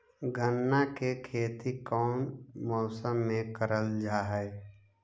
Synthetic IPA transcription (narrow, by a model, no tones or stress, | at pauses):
ɡənːakekʰeːt̪ikɔːnmɔːsəmːẽkəɾəld͡ʒaːɦɛɪ